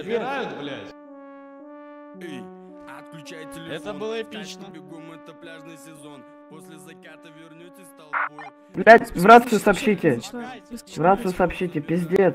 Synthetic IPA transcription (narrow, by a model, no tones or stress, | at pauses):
ɪajʊt̪vlʲatʲ | t̪klʲajɪt̪ʲɪɛt̪əbɨlˠpʲiɕnəbʲɪɡojmot̪ɐplʲaʐnɨjsʲɪzon | posʲlʲɪzɐkat̪əvʲɪrnʲot̪ʲɪt̪ɐlˠ | vlʲæt̪ʲvɾat̪sɨjʊsɐpɕit̪ʲɪ | vɾat̪sɨjʊsɐpɕitʲɪpʲɪzʲɪdʲet̪